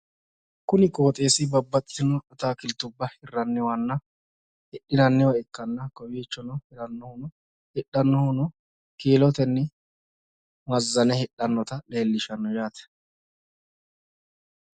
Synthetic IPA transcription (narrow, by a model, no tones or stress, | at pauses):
kʊnɪkʼo̞ːt̪ʼe̞ːsɪbɐbːɐt̪ʼːɪ̥t̪ɪnɔᶑɔt̪aːkɪlt̪ʊbːɐhɪrːɐnːɛwɐnːɐ | hɛɗɪnɐnːɛwɐɛkːɐnːɐkɔjeːt͡ʃːɔnɔhɪɾɐnːɔhʊnɔ | hɛɗːɐnːɔhʊnɔ | keːlɔt̪ɛnːɛ | mɐzːɐnɛhɛɗːɐnːɔt̪ɐle̞ːlːɪʃɐnːɔjaːt̪ɛ̥